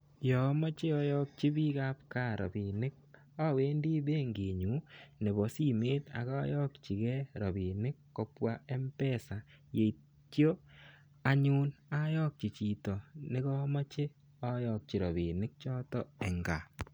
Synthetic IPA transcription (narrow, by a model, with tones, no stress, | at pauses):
jɔ˨mɔ˦t͡ʃe˦ɔ˦jɔ˦k̚t͡ʃi˦bi˦ka˦p̚ka˦˨ɾɔ̰˨bi˨nɪ˦k̚ | a˦we˦ndi˦be˦ŋɡe˨ɲu˨˦ne˨βɔ˨si˦meː˦ta̰˨ka˦jɔ˦kt͡ʃi˨kɛ˦ɾɔ˨bi˨nɪ˦kːɔ˦pwa˦e˦mpɛ˦sa˨ | je˨i | tjo˦ | a˦ɲu˦na˦jɔ˦k̚t͡ʃi˨t͡ʃi˨tɔ˨ne˦ɣɔ˦ma˦t͡ʃe˦ | ɔ˦jɔ˨k̚t͡ʃi˨ɾɔ˨βi˨nɪ˦k̚t͡ʃɔ˦tɔ˦e˨ŋɡa̰˨